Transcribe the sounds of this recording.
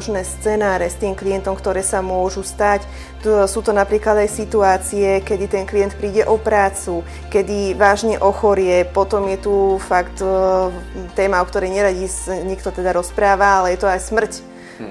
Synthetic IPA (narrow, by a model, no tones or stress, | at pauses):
ʒnɛːst͡sɛːnaːɾɛst̪iːmklijɛnt̪ɔmkt̪ɔɾɛːsamʊɔʒust̪ac | suːt̪ɔnapɾiːklad̪ajsit̪uaːt͡sijɛkɛd̪it̪ɛnkliɛnt̪̚pɾiːɟɛʔɔpɾaːt͡su | kɛd̪iʋaːʒɲɛʔɔxɔɾɪɛpɔt̪ɔmjɛt̪ufakt̪ | t̪ɛːmaɔkt̪ɔɾɛjɲɛɾaɟisɲɛkt̪ɔt̪ɛd̪aɾɔspɾaːʋaalɛjɛt̪ɔajsmr̩c